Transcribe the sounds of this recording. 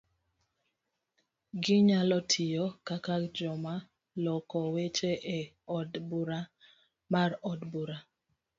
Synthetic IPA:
ɡɪɲalɔtʰɪjɔkakakd͡ʒɔma | lɔkɔwet͡ʃeʔe | ɔdbuɾa | marɔdbuɾa

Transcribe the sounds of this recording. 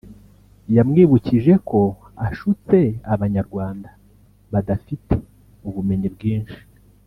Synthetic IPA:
jamŋiːβuciʒe̞kʰo̞ | aʃut͡se̞aβaɲaɾɡwaːnda | βadafite̥ | uβume̞ɲibɡiːnʃi̥

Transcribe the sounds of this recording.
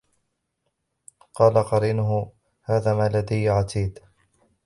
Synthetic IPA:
qɑːlaqɑɾiːnʊɦʊ | haːðaːmalad̪ajːʕat̪ʰiːd̪

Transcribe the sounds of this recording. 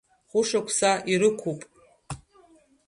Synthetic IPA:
χʷʊʂakʷʰsaʔiɾɨkʷʰupʼ

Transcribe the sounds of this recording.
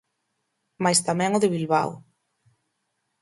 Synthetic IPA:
majst̪amɛ̃ŋʊðɪβilβa̰w

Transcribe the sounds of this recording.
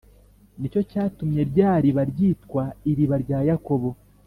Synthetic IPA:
nico̞caːtumɲe̞ɾɟaːɾiβaɾɟiːtwaiɾiβaɾɟaːjako̞βo̞

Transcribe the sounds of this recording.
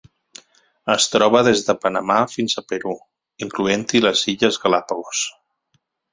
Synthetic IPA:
əst̪ɾɔβ̞əðezðəpənəmafinzəpəɾu | iŋkluent̪iləziʎəzɣəlapolos

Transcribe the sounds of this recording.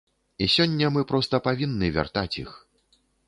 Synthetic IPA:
isʲɔnʲːɐmɨpɾɔst̪ɐpavʲinːɨvʲa̰rt̪at͡sʲḭx

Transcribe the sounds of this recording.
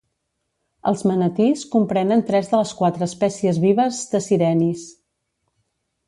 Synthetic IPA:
ə̰lˠzmənət̪iskumpɾɛnənt̪ɾɛzðələskwat̪ɾəːspɛsiəzβiβəzðəsiɾɛnis

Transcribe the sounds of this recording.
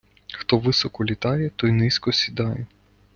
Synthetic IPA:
xt̪ɔʋɪsɔkɔlʲit̪ɑjɛt̪ɔjnɪsʲkɔsʲid̪ɑjɛ

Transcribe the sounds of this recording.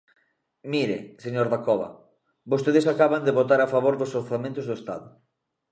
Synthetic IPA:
miɾḛseɲoɾðakɔβa̰ | bost̪eðesakaβand̪eβot̪aɾafaβ̞oɾðosoɾθamẽnt̪ʊzðoest̪a̰ðʊ

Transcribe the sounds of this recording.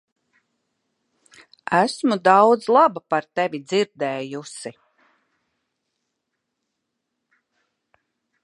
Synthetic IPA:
æsmud̪ɑwd̪zlˠabapaɾt̪ɛvid̪ziɾd̪ɛːjusi

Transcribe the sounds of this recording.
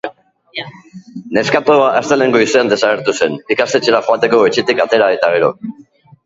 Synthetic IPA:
ne̞skat̪oaʔast̪ele̞ŋɡo̞ise̞and̪e̞saɣ̞e̞ɾt̪use̞nikast̪e̞t͡ʃe̞ɾaxoat̪e̞ko̞et͡ʃet̪ikat̪e̞ɾaðajt̪aɣ̞e̞ɾo̞̰

